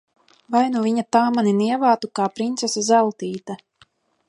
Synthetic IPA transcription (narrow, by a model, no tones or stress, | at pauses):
vajnuviɲat̪aːmaniniɛvaːt̪ukaːpɾint̪sʲɛsazælˠt̪iːt̪a